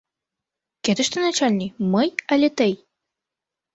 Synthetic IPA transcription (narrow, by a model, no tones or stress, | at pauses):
kʲet̪ə̆ʃt̪ənat͡ɕalʲnʲiməjalʲet̪ɨj